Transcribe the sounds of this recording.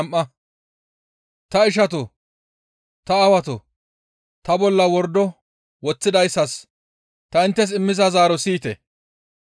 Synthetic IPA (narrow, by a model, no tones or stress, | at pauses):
mʔːɐ | t̪ɐɪʃ̬ɐt̪ɔ | t̪ɐːwɐt̪ɔ | t̪ɐbɔlːɐwɔɾd̪ɔ | wɔt͡sːɪd̪ɐjsːɐs | t̪ɐɪnt̪ːɛs̬ɪmːɪzɐzaːɾɔsiːt̪ɛ̰